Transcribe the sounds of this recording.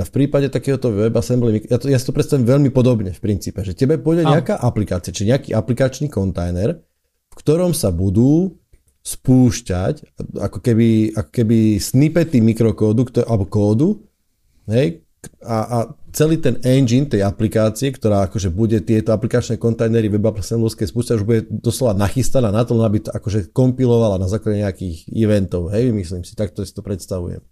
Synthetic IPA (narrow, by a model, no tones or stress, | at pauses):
afpɾiːpaɟɛt̪akɛːɦɔt̪ɔʋɛbasɛmblɛmikjat̪ɔjasi̥t̪ɔpɾɛt̪st̪aʋɛmʋɛʎmipɔd̪ɔbɲɛfpɾint͡siːpɛʒɛcɛbɛpɔɟɛɲɛakaːʔaplikaːt͡siat͡ʃi̥ʒɛɲɛakḭːʔaplikat͡ʃniːkɔnt̪ajnɛɾ | fkt̪ɔɾɔmsabud̪uː | spuːʃcaca̰kɔkɛbiʔakɔ̥kɛbisnipɛt̪imikɾɔkɔːd̪ukt̪ɔʔabkɔːd̪u | ɦɛj | aʔat͡sɛliːt̪ɛnɛnd͡ʒint̪ɛjaplikaːt͡siɛkt̪ɔɾaːakɔʒɛbuɟɛt̪ɪɛt̪ɔaplikat͡ʃnɛkɔnt̪ajnɛɾiʋɛbablɛsɛnluskɛjspuːʃcauʒbuɟɛd̪ɔslɔʋanaxist̪anaːnat̪ɔlɛnɔabit̪ɔakɔʒɛkɔmpilɔʋalanazaːklaɟɛɲɛakiːxḭʋɛnt̪ɔʊɦɛjmisliːmsi̥t̪ak̚t̪ɔasi̥t̪ɔpɾɛt̪st̪aʋṵjɛ̰m